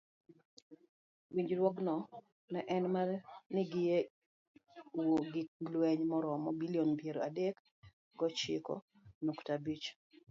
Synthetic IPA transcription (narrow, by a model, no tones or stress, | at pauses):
wiɲd͡ʒɾwɔɡnɔ | nɛʔɛnmanɪɡɪje | woɡɪlweɲmɔɾɔmɔbilionpjeɾo̰adek | ɡɔt͡ʃɪ̰kɔ̰ | noktabit͡ʃ